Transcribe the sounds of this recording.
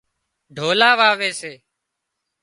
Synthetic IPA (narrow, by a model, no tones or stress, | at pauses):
ɖʱoːlaːʋaːʋeːseː